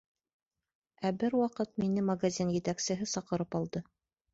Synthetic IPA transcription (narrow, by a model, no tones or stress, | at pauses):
æbɘɾwɑqɤt̪̚minɘmɐɡazʲinjɘ̆t̪æksɘ̆ɦɘsɑqɤ̆ɾɤpɑlˠd̪ɤ